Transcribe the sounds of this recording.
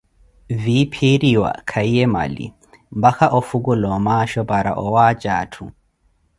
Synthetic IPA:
vipʰiɾiwa̰kʰaijɛma̰lḭ | mbaxaʔɔfuɡulɔmaʃɔbaɾa̰ʔɔwaːt͡ʃaːtʰṵ

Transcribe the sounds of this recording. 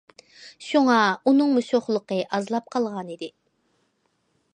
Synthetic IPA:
ʃuŋɑunɨŋmuʃoχlˠəqəʔɑzlˠɑp̚qʰɑlˠʁɑnid̪ɪ

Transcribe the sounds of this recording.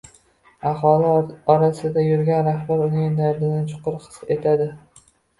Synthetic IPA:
ahɒlˠɪɒɾasɪd̪ajʊɾɡʲanɾahbaɾʊnɪd̪aɾd̪ɪnɪt͡ʃʰʊ̥qʊɾqʰɨ̥se̞t̪ʰad̪ɪ

